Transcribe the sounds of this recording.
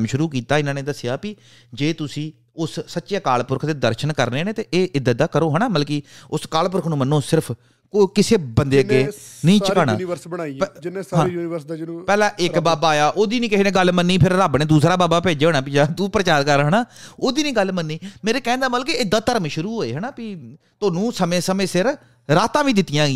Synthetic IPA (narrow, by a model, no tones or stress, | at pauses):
mʃʊɾuːkiːt̪aːɪnãːneːd̪əsɪjaːpɪ | d͡ʒeːt̪ʊsĩː | ʊssətːʃjaːkaːlpʊɾkʰd̪eːd̪əɾʃənkəɾneːnẽːt̪eːʔeːʔɪd̪d̪aːkəɾoːɦəɳaːməlkiːʊskaːlp̬ʊɾkʰnũːmənːoːsɪɾəpʰ | koːkɪseːbənd̪eːkeːnĩːt͡ʃəkaːnaːʋəɾsbəaːid͡ʒneɦãːuːniʋəspɛːlãːʔɪkbaːbaːjaːʔoːd̪iːnĩːkɪɦːneːɡəlmənːiːpʰɪɾɾaːbneːd̪uːsɾaːbaːbaːpeːd͡ʒeːɦoːnaːpɪd͡ʒaːt̪uːpɾət͡ʃaːɾkəɾɦənaːoːd̪iːnĩːɡəlmənːiːmeːɾeːkɛ̃ːnd̪aːməlkeːɪd̪ːaːt̪əɾmʃʊɾuːɦoːeːɦənaːpiː | t̪oːnũːsəmẽːsəmẽːsɪɾ | ɾaːt̪ãːʋĩːd̪ɪt̪ːijãːɡiː